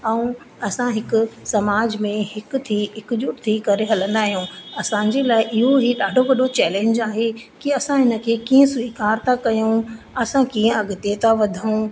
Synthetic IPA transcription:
ɛ̃ũ | ɐsãɦɪkʊ̆sɐmaːd͡ʑmẽhɪkʊ̆t̪ʰiɦɪkʊʄʊʈt̪ʰikɐɾeɦɐlə̃nd̪aːɦijũɐsãːɲ̆d͡ʑelaːɪʔɪɦoɦiɗaːɖʱoʋɐɗʱot͡ɕɛːlẽːɲd͡ʑaːɦekiɐsãɦɪnə̆kʰeːkiːə̃sʋiːkaːɾt̪ʰakɐjũ | ɐsãkiːə̃ɐɠʊt̪et̪ʰaʋɐd̪ʱaũ

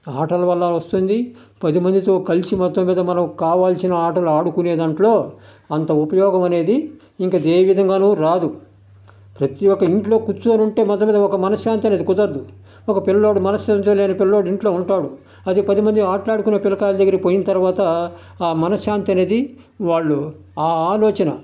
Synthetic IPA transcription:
aːʈɐlɐʋɐlːaːlʋɐst̪und̪i | pɐd̪imɐnd̪it̪o̞ːkɐlt͡ʃimɔt̪ːɐmːiːd̪ɐmɐnɐmkaːʋaːlsinɐaːʈɐluaːɽukuneːd̪ɐɳʈloː | ɐnt̪ɐupɐjɔːɡɐmɐne̞ːd̪iː | ŋkaːd̪eːʋid̪ʱɐŋɡaːnuːɾaːd̪u | pɾɐt̪iɔkːɐiɳʈlo̞ːkut͡ʃːuɐnuɳʈe̞ːmɔt̪ːɐmiːd̪ɐɔkɐmɐnɐsjaːnt̪iɐne̞ːd̪ikud̪ɐɾd̪u | ɔkɐpilɐlo̞ːɽumɐnɐsant̪elejɐnɐpilɐloːɽiɳʈlo̞ːuɳʈaːɽu | ɐd̪ipɐd̪imɐnd̪iaːʈlaːɽukunːɐpilɐkaːlɐd̪ɐɡːɐɾɐkipoːjinɐt̪ɐɾuʋaːt̪ɐ | aːmɐnɐsaːnt̪iɐne̞ːd̪i | ʋaːɭːu | aːaːloːt͡ʃɐnɐ

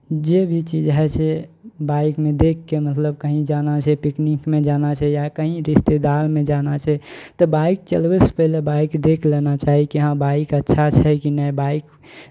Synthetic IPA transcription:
d͡ʒebʱit͡ʃid͡ʒɦɛt͡ʃʰɛbaikmẽd̪ekʰːemət̪ləb̚kəɦĩd͡ʒanat͡ʃʰɛpiknikmed͡ʒanat͡ʃʰɛjakəɦĩɾist̪ed̪almẽd͡ʒanat͡ʃʰɛt̪ɔbaik̚t͡ʃəlbɛspəɦilebaikd̪ekʰlɛnat͡ʃaɦikiɦãbaikətːʃʰat͡ʃʰɛkinɛbaik

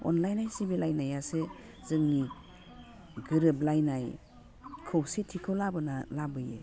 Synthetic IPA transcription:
ɔ̰nlajnajsibilajnajase | zɯŋni | ɡɯɾɯblajnaj | kʰɯwsitʰikʰɯwlabɯnalabɯjḛ

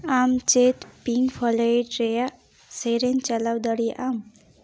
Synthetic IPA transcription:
amt͡ʃet̪piŋɡpʰɔlejʈɾeja | seɾent͡ʃalawd̪əɽiʔam

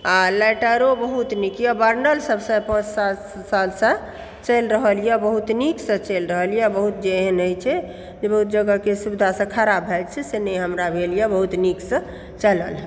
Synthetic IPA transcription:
alɛʈəɾobəɦut̪nikijabəɾnəlsəbsə̃pə̃t͡ʃsat̪ | salsə̃ | t͡ʃəlɾəɦəlijɛbəɦut̪niksə̃t͡ʃəlɾəɦəlijɛbəɦut̪̚d͡ʒeɦənəjt͡ʃʰɛ | d͡ʒebəɦut̪d͡ʒəɡəkesubid̪ʱasə̃kʰaɾabʱɛd͡ʒt͡ʃʰɛsenəjɦəmɾabʱelijabəɦut̪niksə̃ | t͡ʃələlɦɛ

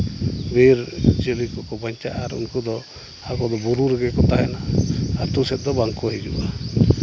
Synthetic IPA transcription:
beɾd͡ʒelikɔkɔbaɲt͡ʃaʔaɾṵnkud̪ɔ | akɔd̪ɔbuɾuɾɛɡɛkɔt̪aɦɛnaaɾt̪usɛt̪̚d̪ɔbaŋkɔɦid͡ʒṵʔa

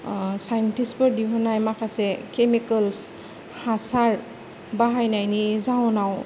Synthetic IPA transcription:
sajntispɔɹdiɦɔnajmakʰasɛkemikəls | hasaɹ | baɦajnajnizawɔnaw

